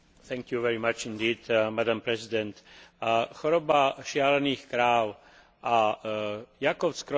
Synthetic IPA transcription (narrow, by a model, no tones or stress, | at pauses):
θɛ̃ŋkjuvɛɾimat͡ʃind̪iːd̪mad̪ampɾɛzid̪ɛnt̪ | xɔɾɔbaʃɪalɛniːxkɾaːw | ʔa | jakɔwt͡skɾɔ